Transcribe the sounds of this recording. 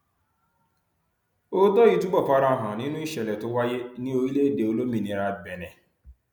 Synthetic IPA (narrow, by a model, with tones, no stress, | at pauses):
o˦dɔ˦i˦tu˦ɡ͡bɔ˦˨pa˦ɾa˦˨ɦʊ̃˨ni˦nũ˦i˦ʃɛ˨lɛ˨tʊ˦wa˦je˦nĩ˦o˦i˦le˦de˨o˦lo˦mĩ˨nĩ˨ɾa˦bɛ˨nɛ˨